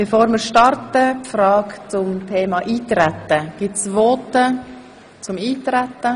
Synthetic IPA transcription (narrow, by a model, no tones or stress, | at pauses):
b̥efoːɾmɪɾʃtɑrtəpfɾɑːkt͡sʊmtʰeːmɑʔiːt̪ɾɛt̪əɡ̥ɪtsvoːtə | t͡sʊmiːtɾɛtːə